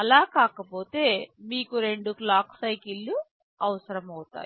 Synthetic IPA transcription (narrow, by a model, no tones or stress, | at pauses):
ɐlaːkaːkɐpo̞ːt̪e̞ːmiːkuɾe̞ɳɖuklaːksɐjkilːu | ɐʋɐsɐɾɐmɐwt̪a̰ː